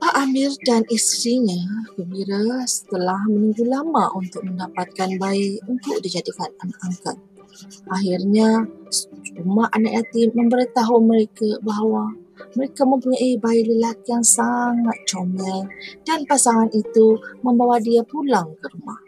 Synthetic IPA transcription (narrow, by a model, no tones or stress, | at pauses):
paʔamɪrdanist̪ɾiɲakəmbiɾasə̥t̪əlahmənuŋɡulamaʔunt̪ʊk̚məndapat̪̚kanbaiunt̪ʊʔ̚did͡ʒadikananaʔaŋkat̪̚ | ʔaɦɪrɲa | rumahʔanakjat̪ɪmːə̃mbəɾit̪aɦuməɾekabaɦawaməɾekamə̃mpuɲaibailəlakijaŋsaŋat̪̚t͡ʃomajd̥anpasaŋanit̪uməmbawadiapulaŋkəɾuma̰h